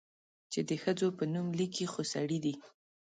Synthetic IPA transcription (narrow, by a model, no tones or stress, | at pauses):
t͡ʃed̪əxəd͡zopənumlikixosaɽid̪i